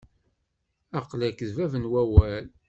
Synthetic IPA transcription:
ɑqlækəðvævənwæwæl

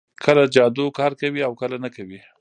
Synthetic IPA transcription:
kʰəlad͡ʒɑd̪okɑɾkawiawkəlanakawi

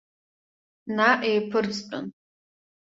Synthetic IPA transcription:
naʔejpʰɨrt͡sʼt͡pʷʼʊ̰n

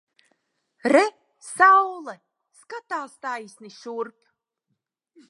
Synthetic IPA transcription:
ɾɛ | sawlˠa | skat̪aːst̪ajsʲniʃuɾp

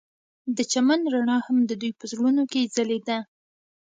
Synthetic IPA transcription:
d̪ət͡ʃamanɾaɳɑhamd̪əd̪ujpəzɽunoked͡zaled̪a

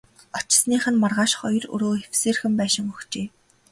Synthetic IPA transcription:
ɔt͡ɕɪ̆sniːχɘ̆nmarʁaːʃχɔj̆rɵ̰ɾoːewseːrxɘ̆mpæːʃɪ̆ŋɵxt͡ɕeː

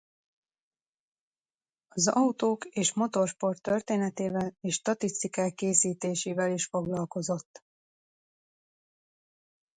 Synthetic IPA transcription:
ɒzɒwt̪oːkeːʃmo̞t̪o̞rʃpo̞rt̪ːø̞rt̪eːnɛt̪eːvɛleːʃt̪ɒt̪ist̪ikaːkːeːsiːt̪eːʃeːvɛliʃfo̞ɡlɒlko̞zo̞t̪ː

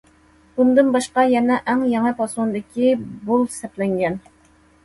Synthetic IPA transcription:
bund̪ɨnbɑʃqɑjɛnɛʔæŋjɛŋɨpʰɑsund̪ɪkʲʰibolˠsɛplɛŋɡʲɛn

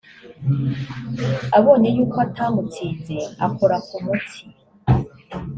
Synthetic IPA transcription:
aβo̞ːne̞juːkʰoatʰaːmɡut͡sid͡ze̞a̰koɾakumutʰi̥

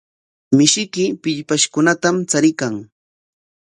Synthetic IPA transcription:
mɪʃɪkɪpɪʎpaʃkʊnat̪amt͡saɾɪkaŋ

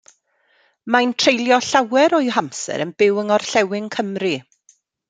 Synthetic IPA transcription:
majntʰrejlˠjɔɬawɛɾɔɨɦamsɛ̰ɾənbɪwəŋɔrɬɛwɪŋkʰəmri

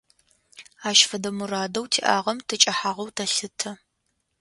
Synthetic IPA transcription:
aːʃfɐdɐmuraːdɐwtʰḭːʔaːʁɐmtʰɨt͡ʃʼɐħaːʁɐwtʰɐɬɨtʰɐ

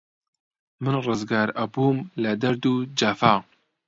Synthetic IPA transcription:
mɨnrɨzɡaːɾɐbuːmlɐd̪ɐɾd̪ud͡ʒafaː

